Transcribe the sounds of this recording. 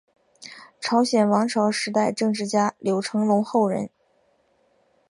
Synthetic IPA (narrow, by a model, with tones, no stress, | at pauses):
ʈ͡ʂʰɑ˧˥ʊɕjɛ˨˩nwɑ˧˥ŋʈ͡ʂʰɑ˧˥ʊʂɻ̩˧˥t̪a˥˧ɪʈ͡ʂɤ˥˧ŋʈ͡ʂɻ̩˥˩t͡ɕja˥ljo˧˥ʊʈ͡ʂʰɤ˧˥ŋlʊ˧˥ŋxo˥˩ʊɻə̰˧˥n